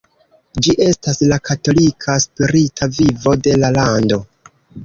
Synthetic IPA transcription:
d͡ʒiʔe̞staslakʰato̞likʰaspiɾitʰavivo̞de̞lalando̞

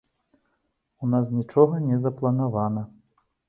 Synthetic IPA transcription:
unas̬nʲit͡ʂɔɣɐnʲɛzɐplˠɐnavanɐ

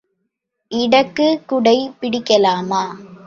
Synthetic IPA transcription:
ʔɪɽɐkːɯkːʊɽɐɪpɪɽɪkːɐlaːmaː

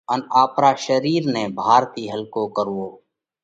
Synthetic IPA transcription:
ənaːpɾaːʃəɾiːɾnẽːbʱaːɾt̪iːɦəlkoːkəɾuoː

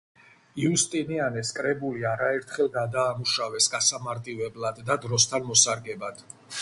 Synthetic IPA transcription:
iust̪ʼinianɛskʼɾɛbuliaɾaɛɾt̪ʰχɛlˠɡad̪aːmuʃavɛsɡasamaɾt̪ʼivɛblˠad̪ːad̪ɾɔst̪ʰanmɔsaɾɡɛbad̪̥

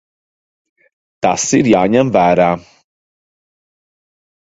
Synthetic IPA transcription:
t̪asiɾjaːɲɛmvæːɾaː

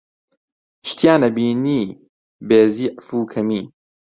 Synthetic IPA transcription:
ʃt̪jaːnɐbiːniː | beːziːʔfuːkʰɐmiː

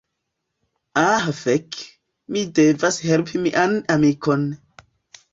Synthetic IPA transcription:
aɦfek | midevashelpʰimiʔanamikon

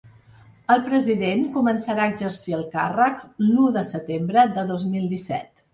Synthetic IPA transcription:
əlˠpɾəziðenkumənsəɾaəɡzəɾsiəlˠkarəknuðəsət̪embɾəðəðozmilˠd̪isɛ̰t̪

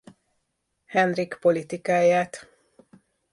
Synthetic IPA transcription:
hɛnrikpo̞lit̪ikaːjaːt̪

